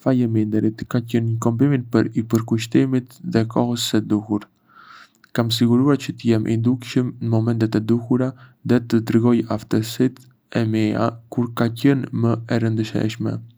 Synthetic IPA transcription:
fajəmind̪ɛɾit̪kacənɲəkɔmbiminpəɾipəɾkuʃ̬t̪imit̪ðɛkʰɔhəsɛd̪uhuɾ | kams̬iɡuɾuaɾt͡ɕət̪əjɛmʔḭnd̪ukʃəmnəmɔmɛnt̪ɛt̪ɛd̪uhuɾaðɛt̪əd̪ɾiɡɔjaft̪əsit̪ | ɛmɛa̰kuɾkacənməɛɾənd̪əʃɛ̰ʃmɛ̰

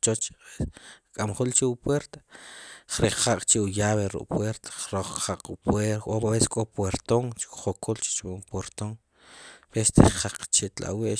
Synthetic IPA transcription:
t͡ʃot͡ʃaeskʼamχult͡ʃiwupweɾt̪ḁχɾeχaqʼt͡ʃiujaːβeɾṵʔʼpweɾt̪ḁχɾoχχaqʼupweoaβese̥kʼopweɾt̪oŋt͡ʃi̥kχokult͡ʃi̥t͡ʃampweɾt̪oŋ | pest̪ʰeʃqaq͡χt͡ʃiʔt̪la̰weʔ

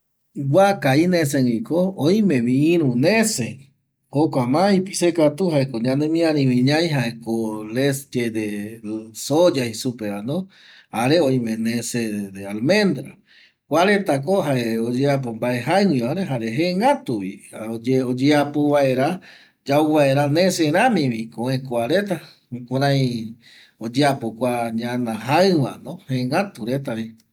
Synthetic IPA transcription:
wʷakainẽseŋikooj̃mẽβĩːɾ̃ũnẽse | hokʷamãipisekat̪uhaekoɲãnẽmĩãɾĩβĩɲãjɦaekolesd͡ʒed̪e | sod͡ʒaisupeɾanõ | haɾeoj̃mẽnẽsed̪ealmẽ̞nd̪ɾa | kʷaɾet̪akoɦaeod͡ʒeap̬ombaeɦaɲĩaɾeɦaɾeɦeŋɡat̪uβiaod͡ʒeod͡ʒeapoβaeɾa | d͡ʒawβaeɾanẽseɾãmĩβikõẽkʷaɾet̪a | koɾãj̃ | od͡ʒeapokʷaɲãnãɦaɨwã̰nõheŋɡat̪uɾet̪aβi

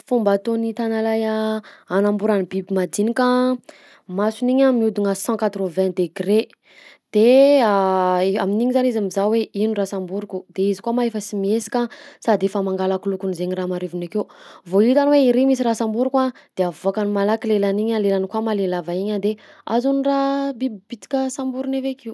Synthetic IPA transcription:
fumbat̪onit̪analajaanambuɾanibibimad̪inika | masuniɲamiud̪uŋəsɑ̃kat̪rovɛ̃d̪eɡre | d̪̥e | aminiɲizanizamizaweinurasambuɾukud̪eizikuamaefəsimiesi̥kʲasad̪efəmaŋɡalakulukunizeɲiramaɾevinakeuvoit̪anweiɾemis̬iɾasãmbuɾukad̪̥eavoakanimalakilelaniɲalelanikwamalelavaiɲad̪ea̰zunrabibibit̪i̥kʲəsãmbuɾunevekiw

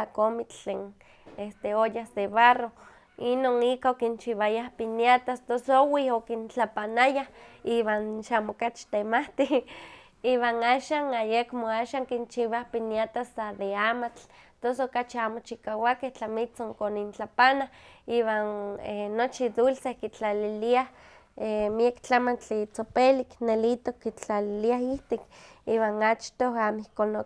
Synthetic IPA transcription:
akomit͡ɬt͡ɬeːn | est̪eojahseβaro | inonikaokint͡ʃiβajahpinjat̪ast̪osowiokint͡ɬapanajahiwaːnʃamokat͡ʃt̪emaht̪i | iwaːnaːʃaːnajekmoaːʃaːŋkint͡ʃiβahpinjat̪asaðeaːmat͡ɬt̪osokat͡ʃiamot͡ʃikawakeht͡ɬamit͡soŋkonint͡ɬapanahiːwanenot͡ʃid̪ulsehkit͡ɬaliliah | emiekt͡ɬamant͡ɬit͡sopeliknelit̪okːit͡ɬaliliahiht̪ikiːwanat͡ʃt̪oamihkono

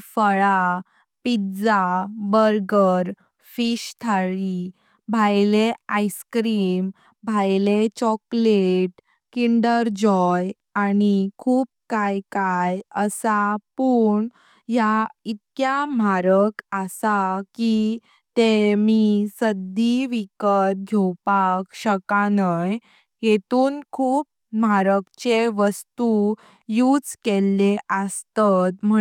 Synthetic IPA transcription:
fəɭa | pid͡zabəɾɡəɾ | fiɕt̪ʰaɭi | bʱajleajskɾim | bʱajlet͡ɕɔkleʈ | kiɳɖəɾd͡ʑɔj | añikʰuːp̚kajkajəsapuɳ | jait̪̚kjam̤aɾəkəsaki | t̪emisəd̪iʋikət̪̚ɡʱewpakɕəkanəj | jet̪uːnkʰuːp̚ | m̤aɾəkt͡ɕeʋəst̪u | juːd͡zkelːeʔəst̪at̪m̤ə

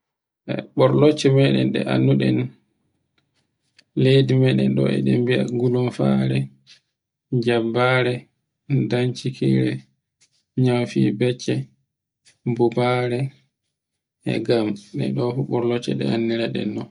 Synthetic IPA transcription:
ʔɛ̰ɓɔɾlɔt͡ʃːɛmɛɗɛ̰nɗɛ̰ʔa̰nːuɗɛn | lejdimɛɗɛnɗɔ̰ɛ̰ɗɛmbiaɡulɔnfaɾɛ | d͡ʒabaɾɛ | daɲt͡ʃikʰḭɾɛ | ɲawfḭbɛt͡ʃːɛ | bubaɾɛ | ʔɛ̰ɡamɗɛ̰ɗɔfuɓɔɾlɔt͡ʃːɛ̰ɗɛ̰anːiɾaɗɛ̰nːɔ

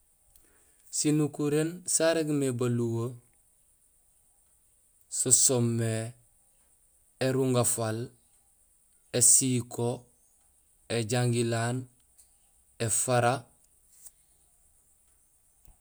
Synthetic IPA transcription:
sinukuɾensaɾeɡmebaluwo | sosomːe | eɾuŋɡafal | esiːkʰo | eɟaŋɡilaːn | efaɾa

